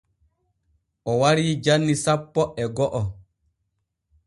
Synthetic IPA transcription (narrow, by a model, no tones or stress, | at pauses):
ʔɔwaɾiːd͡ʒanːisapːɔɛɡɔʔɔ